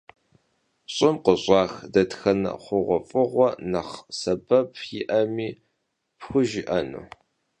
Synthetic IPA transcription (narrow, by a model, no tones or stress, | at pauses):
ɕʼɪmqəɕʼɑːxdɐtxɐnɨ̰χʷʊʁʷɔfʼɨʁʷɔnɐχsɐbɐpʰjɪʔɐmiː | pxʷʊʒɪʔɐnṵː